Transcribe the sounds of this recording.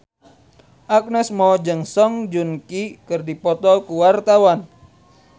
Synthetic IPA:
ʔak̚nɛsmɔd͡ʒɨŋsɔŋd͡ʒunkikɨrdipɔt̪ɔkuwart̪awan

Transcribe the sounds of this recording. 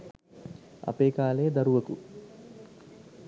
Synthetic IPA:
ɐ̰peːkaːleːd̪ɐɾuʋɐku

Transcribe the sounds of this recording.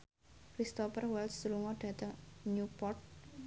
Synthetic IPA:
kɾist̪ɔpərwɛlsluŋɔɖ̥ä̤t̪əŋɲupɔrt̪̚

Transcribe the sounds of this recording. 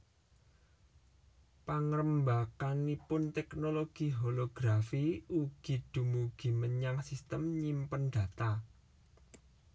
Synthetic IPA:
paŋɾəmbakanipʊnt̪ɛknoloɡ̥i̤ɦoloɡ̥ɾafiuɡ̥i̤d̪̥ṳmuɡ̥i̤məɲaŋsist̪əmɲimpənɖ̪̥ä̤t̪a

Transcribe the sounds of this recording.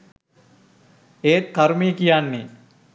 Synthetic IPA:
eːt̪kːaɾumiːkijanːe

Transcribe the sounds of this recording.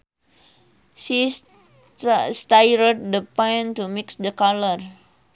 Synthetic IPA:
si | st̪ajɾət̚dəpãjntumiksdəkalər

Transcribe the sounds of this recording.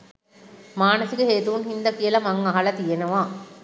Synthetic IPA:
maːnɐsikɐɦeːt̪uʋunhind̪ɐkijɐlɐmɐŋɐɦɐlɐt̪ijenɐʋãː

